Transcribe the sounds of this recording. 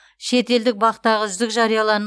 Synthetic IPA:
ʃe̞t̪e̞ld̪ɪk̚bɑqət̪ːɑʁəzʏzd̪ɪkʒɑɾijɑlˠɑnə

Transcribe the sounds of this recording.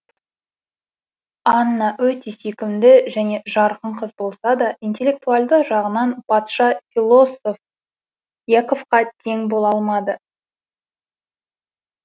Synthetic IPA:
ɑnənːɑwɵt̪e̞sekʲɪmd̪ɪʒæne̞ʒɑɾqəɴqʰəzbo̞lˠsɑd̪ɑijnt̪ʲe̞lʲːe̞k̚t̪ualˠd̪əqʒɑʁənɑnb̥ɑt̪ʃɑfʲilˠo̞so̞f | jako̞fqɑt̪ʰe̞ŋbo̞lˠɑlˠmɑd̪ə

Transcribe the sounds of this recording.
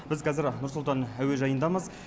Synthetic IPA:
b̥ɪzqʰɑzɪɾnʊɾsʊlˠt̪ɑnæwe̞ʒɑjənd̪ɑməz

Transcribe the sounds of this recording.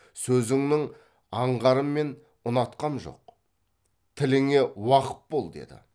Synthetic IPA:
sɵzɪŋnɪŋ | ɑɴʁɑɾəmːe̞n | ʊnɑt̪qɑnʒo̞̰q | t̪ʰɪlɪŋe̞wɑqə̥t̪̚bo̞lˠd̪e̞̰d̪ɪ̰

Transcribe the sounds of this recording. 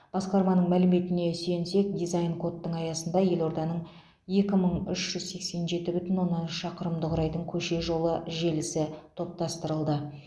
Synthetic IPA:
b̥ɑsqɑɾmɑnəɴmælɪme̞t̪ɪne̞se̞nse̞k̚d̪ijzajnkʰo̞t̪ːəɴɑjɑsənd̪ɑje̞lˠo̞ɾd̪ɑnəɴ | je̞kʲɪməɴʏʃʒ̥ʏzse̞kse̞nʒe̞t̪ɪbʏt̪ɪnwo̞nːɑnʃʃɑqəɾəmd̪əʁʊɾɑjd̪əɴkʲʰɵʃe̞ʒo̞lˠəʒe̞lɪsɪt̪ʰo̞p̚t̪ɑst̪əɾəlˠd̪ə

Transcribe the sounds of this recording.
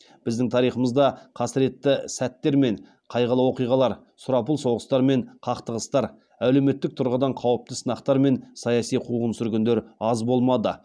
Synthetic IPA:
b̥ɪzd̪ɪŋt̪ʰɑɾijχəməzd̪ɑqʰɑsɾie̞t̪ːɪsæt̪ːe̞ɾme̞ɴ | qʰɑjʁəlˠəwo̞qijʁɑlˠɑɾ | sʊɾɑpəlˠso̞ʁəst̪ɑɾme̞ɴqʰɑqt̪əʁəst̪ɑɾ | æle̞wme̞t̪ːɪk̚t̪ʰʊɾʁəd̪ɑɴqʰɑwəp̚t̪əsənɑqt̪ɑɾme̞nsɑjɑsijqʰuʁənsʏɾɡʲend̪eɾɑzbo̞lˠmɑd̪ə

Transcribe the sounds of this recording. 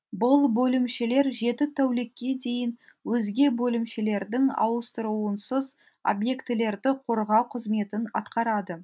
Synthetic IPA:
bʊlˠbɵlɪmʃele̞ɾʒe̞t̪ɪt̪ʰæwlekʲːe̞d̪e̞jɪn | wɵzɡʲe̞bɵlɪmʃele̞ɾd̪ɪŋɑ̰wəst̪əɾuənsəz | o̰bje̞kt̪ɪle̞ɾd̪ɪqʰo̞ɾʁɑwqʰəzme̞t̪ɪnɑ̰t̪qɑɾɑd̪ə

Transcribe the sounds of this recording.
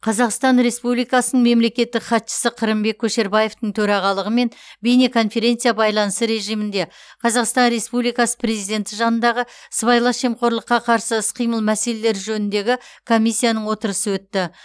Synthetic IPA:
qʰɑzɑqst̪ɑnɾe̞spublijkɑsənəɴme̞mle̞kʲe̞t̪ːɪkχɑt̪ʃə̥səqʰəɾəmbe̞kʲʰːɵʃe̞ɾbɑje̞ft̪əɴt̪ʰɵɾɑʁɑlˠəʁəme̞nbenekʰo̞nfe̞ɾʲe̞nt̪sɨjabɑjlˠɑnəsəɾe̞ʒijmɪnd̪e̞qʰɑzɑqst̪ɑnɾe̞spublijkɑsə̥pʰre̞zijd̪e̞nt̪ɪʒɑnənd̪ɑʁəsəbɑjlˠɑʃe̞mqo̞ɾlˠəqːɑqʰɑɾsəɪsqʰijməlˠmæse̞le̞leɾʒɵnɪnd̪e̞ɡʲɪkʰo̞mʲːijsʲːijanəɴwo̞t̪əɾəsəwɵt̪ːɪ

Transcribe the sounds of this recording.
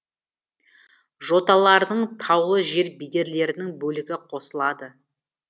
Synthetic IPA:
ʒo̞t̪ɑlˠɑɾd̪əɴt̪ʰɑwlˠəʒe̞ɾbijd̪e̞ɾle̞ɾɪnɪŋbɵlɪɡʲɪqʰo̞səlˠɑd̪ə

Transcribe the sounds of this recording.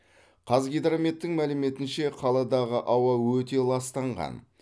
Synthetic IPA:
qʰɑzɡʲed̪ɾame̞t̪ːɪŋmælɪme̞t̪ɪnʃe̞qʰɑlˠɑd̪ɑʁəʔɑwɑwɵt̪e̞lˠɑst̪ɑɴʁɑ̰n

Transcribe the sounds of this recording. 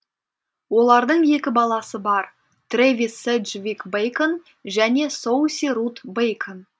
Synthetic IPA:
wo̞lˠɑɾd̪əɴje̞kʲɪbɑlˠɑsəbɑɾ | t̪revʲisːed̪ʒvʲikbejkən | ʒæne̞so̞wsʲiɾut̪bejkʰən

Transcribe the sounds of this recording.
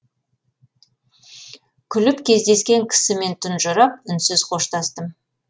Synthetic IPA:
kʲʰʏlɪpkʲʰe̞zd̪e̞skʲe̞ŋkʲʰɪ̥sɪme̞nt̪ʰʊnʒʊɾɑp̚ʏnsɪzqʰo̞ʃt̪ɑst̪əm

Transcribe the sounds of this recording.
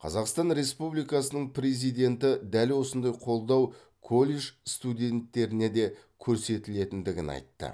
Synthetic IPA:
qʰɑ̰zɑqst̪ɑnɾe̞spublijkɑsənəɴpɾe̞zijd̪ʲe̞nt̪ɪd̪ælwo̞sənd̪ɑjqʰo̞lˠd̪ɑw | kʰo̞lʲˠeʒst̪ud̪ʲe̞nt̪ːe̞ɾɪne̞d̪e̞kʲʰɵɾse̞t̪ɪle̞t̪ɪnd̪ɪɡʲɪnɑ̰jt̪ːə̰

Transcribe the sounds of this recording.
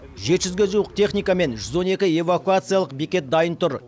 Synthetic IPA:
ʒe̞t̪ʒʏzɡʲe̞ʒuwəq̚t̪ʲʰe̞χnijkame̞nʒʏzo̞ne̞kʲɪe̞vakuat̪sɨijalˠəqbikʲe̞t̪̚d̪ɑjənt̪ʰʊɾ

